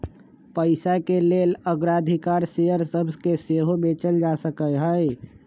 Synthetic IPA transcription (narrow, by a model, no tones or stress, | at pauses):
pəɪsakeleːləɡɾad̪ʱikaːɾseəɾsəbzkeseːɦomẽt͡ʃəld͡ʒasəkəjɦəj